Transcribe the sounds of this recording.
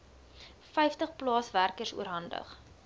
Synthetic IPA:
fɛjftəχplɑːsværkəsuəɾɦɐndə̰χ

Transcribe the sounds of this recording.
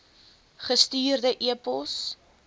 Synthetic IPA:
χəstiːrdəʔiəpɔs

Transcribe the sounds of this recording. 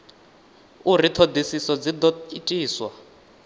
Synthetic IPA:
urit̪ʰod̪isisɔd͡zid̪ɔitʼiːswa

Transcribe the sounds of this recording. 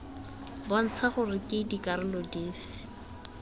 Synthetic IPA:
bɔn̩t͡sʰaχʊrɪkʼɪdikʼaɾɪlɔdeːfɪ̥

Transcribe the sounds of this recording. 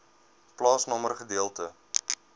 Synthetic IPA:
plɑːsnɔmərχədiəlˠtə

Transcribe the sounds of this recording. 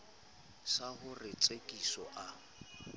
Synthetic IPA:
sahʊrɪt͡sʼekʼisɔʔa

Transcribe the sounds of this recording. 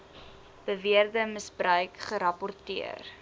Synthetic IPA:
b̥əviərdəməsbrœɥkχəɾɐpɔrtiə̰r

